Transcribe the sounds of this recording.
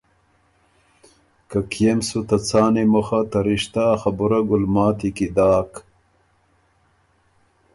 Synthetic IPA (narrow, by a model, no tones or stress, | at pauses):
kɐkijemsut̪ɐt͡saːnemɐxɐt̪ɐɾiɕt̪axɐbuɾɐɡulmaːt̪ikid̪aːk